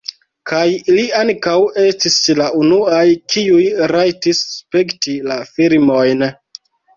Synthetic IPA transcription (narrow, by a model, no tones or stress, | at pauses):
kajiliaŋkawe̞stislaunuajkiujɾajtisːpektilafilmo̞jn